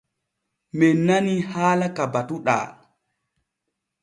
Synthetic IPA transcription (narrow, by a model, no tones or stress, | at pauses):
mɛnːanihaːlakabatuɗa̰ː